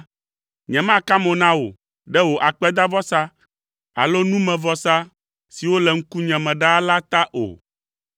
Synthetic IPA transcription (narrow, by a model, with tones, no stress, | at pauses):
ɲɛ̃˨mã˦ka˦mõ˨nã˦wo̰˨ | ɖɛ˦wo˨ʔa˨k͡pɛ˦d̪a˦vɔ˦sa˦ | a̰˨lo˦nũ˦mɛ̃˨vɔ˨sa˦ | si˨wo˦lɛ˨ŋ̩˦ku˦ɲɛ̃˨mɛ̃˨ɖa˦la˦t̪a˦ʔo̰˨